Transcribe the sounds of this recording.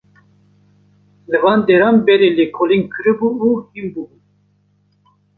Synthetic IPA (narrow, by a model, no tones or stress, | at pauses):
lɨvɑːnd̪eɾɑːmbɛɾelekʰoliŋkʰɨɾɨbuuhimbubu